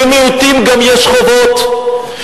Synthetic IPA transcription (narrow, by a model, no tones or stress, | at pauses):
meut̪imɡamjɛʃχovot̪